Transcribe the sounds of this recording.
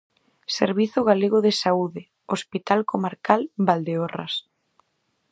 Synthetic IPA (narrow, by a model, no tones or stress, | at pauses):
sḛɾβiθʊɣ̞aleɣoðesauðe | ospit̪alkomaɾkalbald̪eora̰s